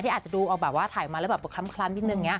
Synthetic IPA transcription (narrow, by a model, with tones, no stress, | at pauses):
t̪i˥˩aː˨˩t̪̚t͡ɕa˨˩duː˧ʔɔː˨˩k̚bɛː˨˩p̚waː˥˩t̪ʰaː˨˩˦jma˧lːwbɛː˨˩p̚kʰa˧˥mkʰlaː˧˥˩nt̪i˧˩nɯ˨˧˩ŋːi˦˥ɐ